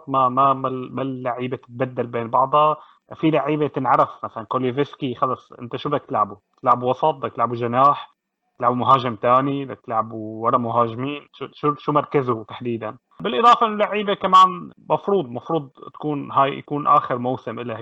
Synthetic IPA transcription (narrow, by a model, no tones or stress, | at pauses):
t̪mamamamalːaʕiːbet̪ɪ̥t̪̚bad̪ːalbeːnbɑʕd̪ˤɑ | filaʕiːbet̪ɪnʕɑɾˤɑfmasalankolːivɪskixɑlːɑsˤʔɪ̰nt̪aʃubd̪akt̪ɪlʕabut̪ɪlʕabuwɑsˤɑt̪̚ˤd̪ak̚t̪ɪlʕabuʒanaːħ | t̪ɪlʕabumʊɦaːʒɪmt̪aːnid̪ak̚t̪ɪlʕabuwɑɾˤɑmʊɦaːʒmiːnʃuʃuʃumɑɾˤkazʊt̪ḁħd̪iːd̪an | bɪlʔɨd̪ˤɑːfɑʔɪnːʊlaʕiːbekamaːnmɑfɾuːd̪ˤmɑfɾˤuːd̪̚ˤt̪ḁkuːnɦaːjja̰kuːnʔaːxɪɾmowsɪmʔɪlːa